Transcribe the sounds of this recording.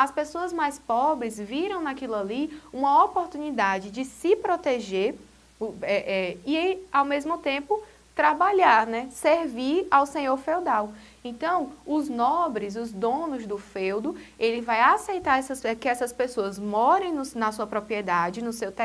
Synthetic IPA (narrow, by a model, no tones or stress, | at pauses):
ɐspesoɐzmajspɔbɾɪzviɾɐ̃w̃nakilaliũmɐopoɾt̪ũnid̪ad͡ʒɪd͡ʒɪsɪpɾot̪eʒeɾ | ɛʔɛiawmezmʊt̪ẽmpʊ | t̪ɾabaʎaɾnɛseɾviɾawsẽɲoɾfewd̪aw | ẽt̪ɐ̃w̃ʊznɔbɾɪzʊzd̪õnʊzd̪ʊfewd̪ʊelɪvajasejt̪aɾɛsɐsɛkɪɛsɐspesoɐzmɔɾẽj̃nʊsnɐsuɐpɾopɾiɛd̪ad͡ʒɪnʊsewt̪ɛ